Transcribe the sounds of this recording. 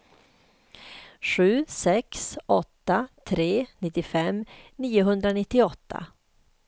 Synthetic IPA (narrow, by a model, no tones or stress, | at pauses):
ɧʉ̟ːsɛksɔt̪ːat̪ʰɾeːnɪt̪ːɪfɛmːniːʊɦɵnd̪ɾanɪt̪ːɪɔt̪ʰːa̰